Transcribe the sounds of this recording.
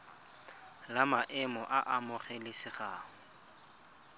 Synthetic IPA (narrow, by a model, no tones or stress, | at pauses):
lamaʔɪmɔʔaʔamʊχelɪsɪχaːŋɔ